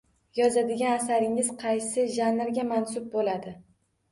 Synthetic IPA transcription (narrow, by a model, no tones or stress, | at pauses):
jɒzad̪ɪɡʲanasaɾɪŋɪzqʰɑjsɪʒanɪɾɡʲamansʊb̚bolad̪ɪ